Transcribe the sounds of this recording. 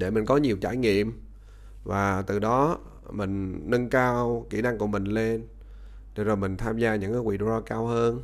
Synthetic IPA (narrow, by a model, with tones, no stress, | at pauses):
ɗe˧˩mi˨˩ŋ̟kɔ˨˦ɲi˨˩əwt͡ɕa̰ː˧˩jŋḭ˧˨əm | vaː˨˩t̪ɨ˨˩ɗɔ˨˦ | mï˨˩ŋ̟nə˧nkaː˧wkḭ˧˩na˧ŋku˧˩əmï˨˩ŋ̟le˧n | t̪ʰe˧˩zoː˨˩mï˨˩ŋ̟t̪ʰaː˧mzaː˧ɲɨ̰˧˥ŋkaː˨˦wḭ˧˩ɗo˧zɔ˧kaː˧whəː˧n